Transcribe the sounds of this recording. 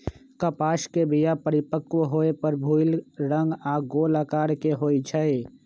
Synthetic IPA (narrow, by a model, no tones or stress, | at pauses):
kəpaːskebijapəɾɪpəkoɦoepəɾbʱuɪlɾə̃ŋɡaɡoːləkaːɾkeɦoːit͡ʃʰəe